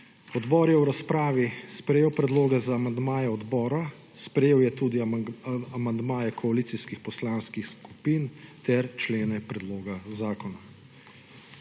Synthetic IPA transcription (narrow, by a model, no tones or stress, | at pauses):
ɔd̪bɔːɾjɛwɾaspɾaːʋispɾɛjeːwpɾɛd̪loːɡɛzaːmand̪maːjɛɔd̪bɔːɾa | spɾɛjeːwjɛt̪uːd̪i | amand̪maːjɛkʰɔaliːt̪siskixpɔslaːnskixsku̥piːnt̪ɛɾt͡ʃleːnɛpɾɛd̪loːɡazaːkɔna